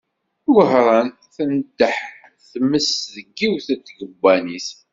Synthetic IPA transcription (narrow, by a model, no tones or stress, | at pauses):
ðəɦɾˤɑn | θənd̪əħ | θməsðəɡːiwθət̪ːɡəbːænis